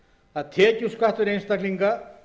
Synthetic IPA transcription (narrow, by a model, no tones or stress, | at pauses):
ɐt̪ʰekʲuskat̪uɾenst̪ɐkliŋka